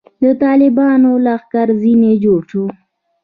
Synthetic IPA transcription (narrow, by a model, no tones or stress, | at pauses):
d̪ət̪ɑlɪbɑnolaxkaɾzined͡ʒoʃu